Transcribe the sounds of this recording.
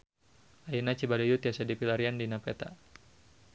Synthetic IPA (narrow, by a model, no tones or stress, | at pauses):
ainat͡ʃibalijut̪iasadipilaɾiandinapɛ̰t̪a̰